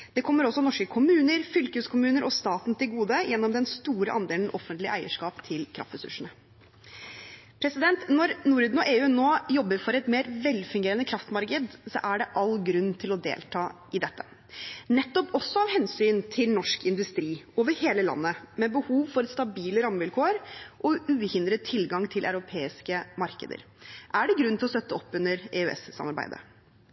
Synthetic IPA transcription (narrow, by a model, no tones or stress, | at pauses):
d̪̥ɛkʰɔmːəɾɔsːɔnɔʂkəkʰʊmʉːnəɾfʏlkəʉskʰʊmʉːnəɾʔɔst̪ɑːt̪n̩t̪ʰɪlɡuːd̪əjʔɛnːɔmd̪ɛnst̪uːɾəʔɑnd̪eːln̩ʔɔfːənt̪lɪʔæɪəʂkɑːpt̪ʰɪlkʰɾɑ̰ft̪ɾɛsʉ̰ʂəɳ̩ə | pʰɾɛsɪd̪ɛnt̪nɔɾnuːɾʉd̪nɔʔeːʉːnoːjɔbːəɾfɔɾɛt̪meːɾʋɛlfɪŋɡeːɾənəkʰɾɑft̪mɑɾkəd̪sɔ̰ʔæɖɛʔɑlːɡɾʉnːt̪ʰɪlɔd̪ḛːlt̪ʰɑːʔɪd̪ɛt̪ːə | nɛt̪ːɔpɔsːɔɑʋhɛnsyːnt̪ʰɪlnɔʂkɪnd̪ʉst̪ɾiːoːʋəɾheːləlɑ̰nːəmɛbəhuːʋfɔɾɛt̪st̪ɑbiːləɾɑmːʋɪlkʰoːɾʔɔʉːhɪnd̪ɾət̪ʰɪlɡɑŋt̪ʰɪlʔa̰ʉɾʊpʰeːɪskəmɑɾkə̰d̪ə̰ɾ | ʔæɖɛɡɾʉnːɪlɔst̪œt̪ːəɔpːʉnəɾɛːʉɛ̰sːɑ̰mɑɾbæ̰ɪd̪ə̰